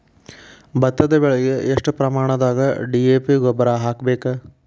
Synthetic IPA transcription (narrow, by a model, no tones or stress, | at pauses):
bɐt̪ːɐd̪ɐbeɭɐjeʔeʂʈɨpɾɐmaːɳɐd̪aːɡɐɖieːpiɡobɐɾaːɦaːkbeːkɐ